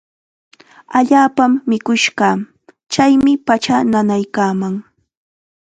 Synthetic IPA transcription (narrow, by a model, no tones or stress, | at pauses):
aʎaːpamːɪkʊʃɢɑː | t͡ʃajmɪpat͡ʃananajkaːmaŋ